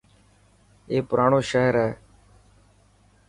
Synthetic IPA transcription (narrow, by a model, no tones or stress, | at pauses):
eːpɾaːɳoːʃaːɦɪɾɛː